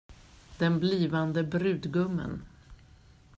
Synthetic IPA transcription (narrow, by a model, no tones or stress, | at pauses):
d̪ɛnbliːvand̪əbɾʉ̟ːd̪ɡɵmːə̰n